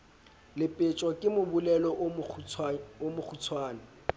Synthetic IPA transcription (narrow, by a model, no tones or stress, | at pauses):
lɪpʼɪt͡ʃʼwɔkʼɪmʊbulɛlɔʔ | omʊk͡xʰut͡sʰwaːnɪ